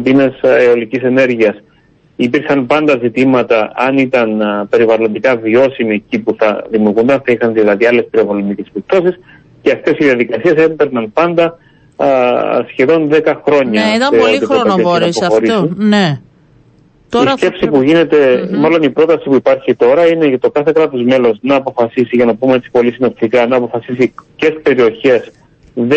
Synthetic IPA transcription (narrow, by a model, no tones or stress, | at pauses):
pineseo̞licise̞ne̞ɾʝiɐs | ipiɾxɐnpɐnd̪ɐzit̪imɐt̪ɐɐnit̪ɐnpe̞ɾivɐlo̞nd̪ikɐvio̞simiecipuθɐðimjuɾɣund̪ɐnθɐixɐnðilɐðiɐle̞spiɾovolo̞nd̪icespip̚t̪o̞sis | ceɐft̪e̞siðiɐðikɐsie̞sembeɾnɐnpɐnd̪ɐ | sçe̞ðo̞nðe̞kɐxɾo̞ɲɐɐiɐikɐssɐspoxo̞ɾisun | tisce̞psipuʝine̞t̪e̞mɐlo̞nipɾo̞t̪ɐsipuipɐɾçit̪o̞ɾɐinet̪o̞kɐθe̞kɾɐt̪o̞zme̞lo̞znɐːpo̞fɐsisiʝɐnɐpume̞tt͡ssi̥po̞lisino̞pt̪ikɐnɐːpo̞fɐsisicespeɾio̞çe̞s | ðe